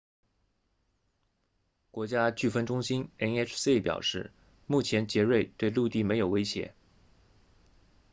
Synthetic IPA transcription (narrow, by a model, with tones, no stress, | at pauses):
kwɔ˧˥t͡ɕja˥t͡ɕy˥˩fə˥nʈ͡ʂʊ˥ŋɕi˥nɛ˥nɛ˥ʈ͡ʂʰsi˥pjɑ̰˨˩ʊʂɻ̩˥˩ | mu˥˩t͡ɕʰjɛ˧˥nt͡ɕjɛ˧˥ɻe˥˧ɪt̪we˥˧ɪlu˥˧t̪i˥˩me˧˥jo˨˩ʊwe˥ɪɕjɛ̰˧˥